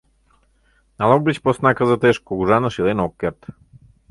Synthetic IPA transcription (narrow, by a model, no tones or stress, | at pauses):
nalˠɔɡ̚bit͡ɕposnakəzat̪ɛʃkoɡuʒanəʃilɛnɔkːɛɾt̪